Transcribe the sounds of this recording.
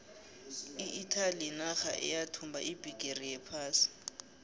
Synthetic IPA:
iʔitʰalinaxa̰ʔɛ̰jatʰumbʱa̰ʔibʱiɡ̥ʱerijɛpʰaːsi̥

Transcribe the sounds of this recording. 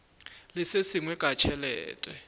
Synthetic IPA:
lisesiŋwɛkat͡ʃʰɛlɛ̰ːtʼwɛ

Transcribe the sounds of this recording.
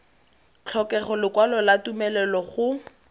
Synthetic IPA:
t͡ɬʰɔkɛχɔlɪkwalɔlatumɛlɛlɔχʊ

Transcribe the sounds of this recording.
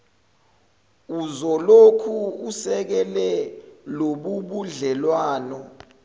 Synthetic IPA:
uzɔlokʰuusɛk̬ɛlɛloɓuɓuɮɛlwaːnɔ

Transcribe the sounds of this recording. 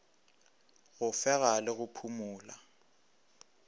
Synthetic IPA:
ɣʊfɛɣalɪɣʊpʰumʊːla

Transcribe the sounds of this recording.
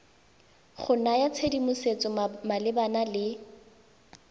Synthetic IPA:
χʊnajat͡sʰedimʊset͡sʼɔmalɪbanalɪ

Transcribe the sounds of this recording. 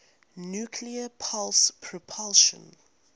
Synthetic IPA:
njukʰliəpʰalspʰɹɔpʰɔlʃɔ̰̃n

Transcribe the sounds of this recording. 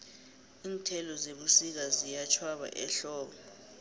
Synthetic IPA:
iːntʰɛlɔzeɓusik̬azijat͡ʃʰwaɓa̰ʔɛ̰ɬɔːɓɔ

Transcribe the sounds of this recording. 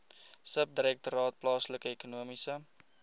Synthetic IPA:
səp̚diɾɛk̚tuɾɑːt̚plɑːsləkəekunuəmisə

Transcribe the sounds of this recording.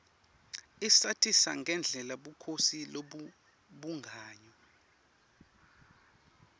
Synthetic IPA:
isatʰisaŋʱɛnd͡ɮʱɛlaɓukʰosilo | ɓuŋɡʱaːɲɔ

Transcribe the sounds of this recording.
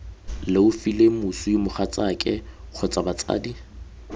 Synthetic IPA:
lɪʊfilemusʊɪmʊχat͡sʼakʼɪk͡xʰʊt͡sʼabat͡sʼa̰ːdi

